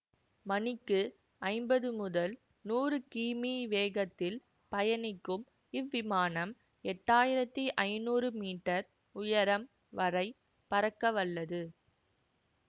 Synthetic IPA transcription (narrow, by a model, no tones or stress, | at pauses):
mɐnɪkːɯ | ɐɪmbɐðɯmʊðɐl | nuːrɯkiːmiʋeːɣɐt̪ːɪl | pɐjɐnɪkːɯm | ɪʋːɪmaːnɐm | ɛʈːaːjɪɾɐt̪ːiʔɐɪnuːrɯmiːʈːɐɾ | ʊjɐɾɐm | ʋɐrɐɪ | pɐɾɐkːɐʋɐɭːɐðɯ